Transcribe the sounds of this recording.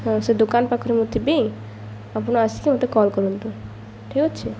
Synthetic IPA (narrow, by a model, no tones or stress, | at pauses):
sed̪okanpakʰɔɾemud̪ʰʱibej̃ | apunoasikemot̪ekɔlkɔɾunt̪u | ʈʰikotːʃʰe